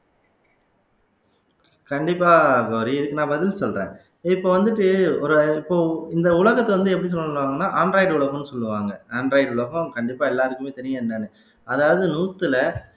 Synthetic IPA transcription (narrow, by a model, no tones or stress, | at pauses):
kɐɳɖɪpːaːɡoːɾiɪðɯkːɯnãːbɐðɪlsɔlɾḛ̃ː | ɪpːoːʋɐnd̪ɯʈːɯɔɾɯɪpːoːɪnd̪ɐʊɭɐɣɐt̪ːɐʋɐnd̪ɯɛpːɐɽis̬ɔlːɐlːʋaːŋɡɐnːaːʔaːnɾaːɪɖʊɭɐɣɐ̃nːɯsɔlːɯʋaːŋɡɐaːɳɾɐːɪɖʊɭɐɣɔ̃kɐɳɖɪpːaːɛlːaːɾɯkːɯmeːt̪ɐɾɪjɐnd̪aːnɯ | ɐðaːʋɐðɯnuːt̪ːɯlɐ